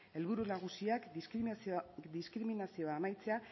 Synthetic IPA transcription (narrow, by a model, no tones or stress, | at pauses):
e̞lβuɾunaɣusiak | d̪iskɾiminasio̞aːmajt͡se̞a